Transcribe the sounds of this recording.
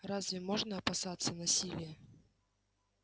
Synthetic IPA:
razʲvʲɛmɔʐnɐːpasat̪sːɐnasʲilʲijɛ

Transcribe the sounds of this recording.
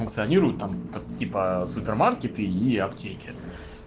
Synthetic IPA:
ʊnk̚t̪sɨɐnʲiɾʊjʊt̪̚t̪ːamt̪ɐtʲipəsʊpʲɪrmarkʲɪt̪ɨiɐptʲekʲɪ

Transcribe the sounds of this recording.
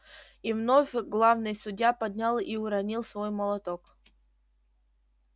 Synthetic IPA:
ivnofʲɡlˠavnɨjsʊdʲjapɐd̪ʲnʲalˠiʊɾɐnʲilˠsvojmɐlˠɐt̪ok

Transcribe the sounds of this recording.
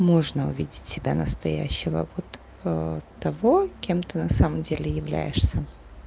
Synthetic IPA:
mo̞ʐnəʊ̰vʲidʲɪtʲsʲɪbʲanəst̪ɐjæ̰ɕːɪvə̰vot̪ | ət̪ːɐvo̞kʲe̞mt̪ɨnɐsaməmdʲelʲɪjɪvlʲæ̰jɪʂsʲə

